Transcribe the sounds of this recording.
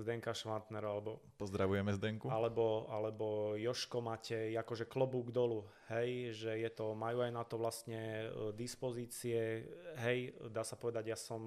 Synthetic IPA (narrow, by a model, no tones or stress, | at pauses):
zd̪ɛŋkaʃʋant̪nɛɾɔalɛbɔpɔzd̪ɾaʋujɛmɛzd̪ɛŋkualɛbɔalɛbɔjɔʃkɔmaːcɛakɔʒɛklɔbuɡd̪ɔlu | hɛjʒɛjɛt̪ɔmajuajnat̪ɔʋlast̪ɲɛd̪ispɔziːt͡siɛɦɛjd̪aːsapɔʋɛd̪aɟjaːsɔm